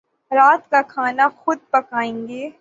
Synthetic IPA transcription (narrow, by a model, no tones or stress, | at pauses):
ɾaːt̪kakʰaːnaxʊd̪̚pɐkaːẽːŋɡeː